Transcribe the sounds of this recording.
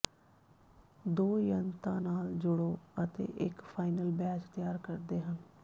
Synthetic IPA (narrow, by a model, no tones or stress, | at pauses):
d̪oːjənt̪ã̰ːnaːld͡ʒʊɽoːət̪ḛːʔɪkpʰaːɪnəlbɛːd͡ʒt̪jaːɾkəɾd̪eːɦən